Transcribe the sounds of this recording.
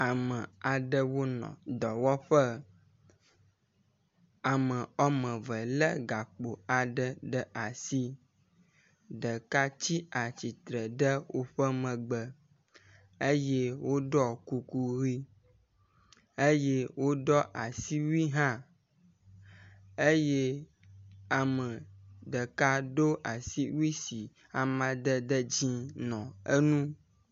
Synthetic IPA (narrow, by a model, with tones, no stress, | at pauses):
a˨mə˨a˨ɖə˦wo˦nɔ̰̃˨d̪ɔ˨wɔ˦ɸə˦ | a˨mə̃˨ɔ˦mə̃˨və˨lə̰˦ɡa˨k͡po˨a˨ɖə˨ɖə˦a˨si˦ | ɖə˨ka˦t͡ɕi˦a˨t͡ɕi˨t̪ɾə˨ɖə˦wo˦ɸə˦mə̃˨ɡ͡bə˨ | e˦je˦wo˦ɖɔ˦ku˨ku˨ɣi˦ | e˦je˦wo˦ɖɔ˦ʔa˨si˦wi˦ɦã˦ | e˦je˦ | a˨mə̃˨ɖə˨ka˦ɖo˦ʔa˨si˦wi˦si˨ | a˨mã˨ɖ̪ə˦ɖə˦d͡ʑĩ˦nɔ̃˨ə̰˦nũ˦